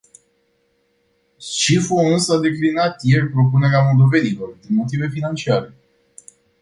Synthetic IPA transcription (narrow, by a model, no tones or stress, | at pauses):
ʃifounsad̪e̞klinat̪je̞rʲpɾo̞pune̞ɾeamo̞ld̪o̞ve̞nilo̞rd̪inmo̞t̪ive̞finant͡ʃiaɾe̞